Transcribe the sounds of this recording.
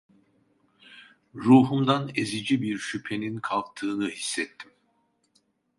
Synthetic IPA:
ɾuːɦumd̪anezid͡ʒibiɾʃypʰe̞ninkʰalˠk̚t̪ʰɯːnɯhisːɛt̪ʰːim

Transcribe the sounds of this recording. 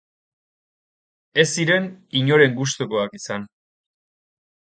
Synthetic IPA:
e̞siɾe̞niɲo̞ɾe̞ŋɡus̬t̪oko̞akisan

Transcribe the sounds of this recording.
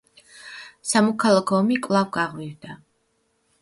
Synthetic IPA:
samɔkʰalˠakʰɔmikʼvlˠavɡaʁwivd̪a

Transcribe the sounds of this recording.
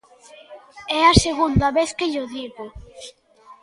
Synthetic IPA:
ɛaseɣund̪ɐβeθkeʎoðiɣo

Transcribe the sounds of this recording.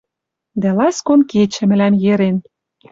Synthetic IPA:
d̪ælɑskonket͡ɕɘ̆mɘ̆læmjeɾen

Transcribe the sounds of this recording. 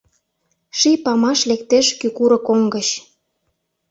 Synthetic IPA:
ʃipɑmɑʃlekt̪eʃkykuɾɤ̆koŋɡət͡ɕ

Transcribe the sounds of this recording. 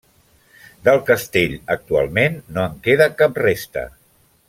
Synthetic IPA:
d̪əlˠkəst̪eʎək̚t̪ua̰lˠmenːoəŋkeðəkap̚rest̪ə̰

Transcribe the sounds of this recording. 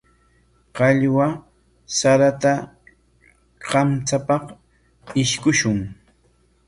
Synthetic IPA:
qɑʎwa | saɾat̪a | qɑmt͡sapɑq | ɪʃkʊʃʊŋ

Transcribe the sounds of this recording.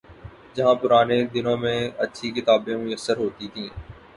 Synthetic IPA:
d͡ʒɐɦãːpʊɾaːned̪ɪnõmẽɐtːʃʰikɪt̪aːbẽmʊjəsːəɾɦoːt̪it̪ʰĩɛ̃ː

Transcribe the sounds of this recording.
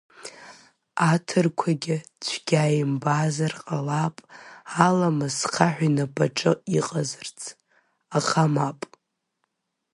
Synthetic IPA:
atʰɨrkʷʰaɡʲɪt͡ʃʷʰɡʲaːjmbazarqʼalapʼalamasχʰaħᶣʷinabaʈ͡ʂʼɨiqʼazɨrt͡sʰ | aχamapʼ

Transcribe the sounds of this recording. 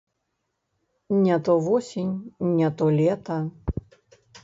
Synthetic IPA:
nʲat̪ɔvɔsʲinʲnʲat̪ɔlʲɛt̪ɐ

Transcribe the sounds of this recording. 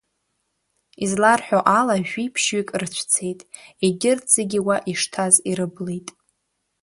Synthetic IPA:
izlarħʷᶣoʔalaʒʷᶣipʰʃɥikʼrt͡ɕʷʰt͡sʰe̞jtʼiɡʲɪrt͡seɡʲiwaʔiʂtʰaziɾɨblejtʼ

